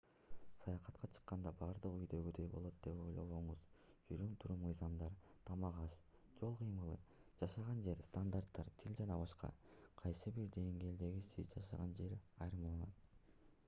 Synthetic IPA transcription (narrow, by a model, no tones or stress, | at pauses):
sɑjɑqɑt̪qʰɑt͡ʃʰɯ̥qːɑnd̪ɑbɑɾd̪ɯqyjd̪ø̞ɡyd̪ø̞jbo̞lˠo̞t̪̚d̪̥e̞po̞̰jlˠoβo̞ɴuz̥ | d͡ʒyɾymt̪ʰuɾumɯjzɑmd̪ɑɾt̪ʰɑmɑʁɑʃ | d͡ʒo̞lˠqʰɯjmɯlˠɯd͡ʒɑʃɑʁɑnd͡ʒe̞ɾst̪and̪art̪ːɑɾt̪ʰilʲd͡ʒɑnɑbɑʃqɑ̰qʰɑjsɯbiɾd̪e̞ŋɡe̞ːld̪e̞ɡisizd͡ʒɑʃɑ̰ʁɑnd͡ʒe̞ɾɑjɾɯmɑlˠɑnɑt̪